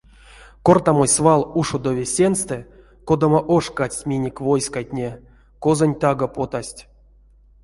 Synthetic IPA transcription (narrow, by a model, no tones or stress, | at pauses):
kort̪amosʲsvalˠuʂod̪ovʲesʲenst̪ɛ | kod̪amaʔoʂkat͡sʲtʲmʲinʲikʲvojskajtʲnʲe | kozonʲt̪aɡapot̪asʲtʲ